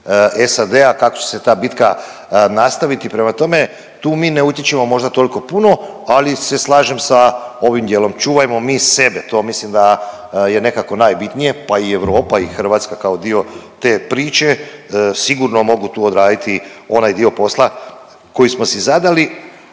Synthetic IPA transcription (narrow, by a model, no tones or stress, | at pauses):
esad̪e̞akakot͡ɕe̥se̞t̪aːbit̪ka | nast̪aʋit̪ipɾe̞mat̪o̞me̞ | t̪uːmiːneut̪je̞t͡ʃemo̞mo̞ʒd̪at̪o̞liko̞puno̞ | alise̞slˠaːʒe̞msao̞ʋimd̪jelo̞mt͡ʃuːʋajmo̞miːse̞bet̪o̞ːmislimd̪a | je̞ne̞kako̞naːjbit̪nije̞paieʋɾo̞ːpaixr̩ʋaːt̪skakao̞d̪io̞t̪e̞ːpɾiːt͡ʃe̞siɡuɾno̞mo̞ɡut̪uːod̪ɾaːd̪it̪io̞najd̪io̞po̞slˠa | ko̞jismo̞sizad̪ali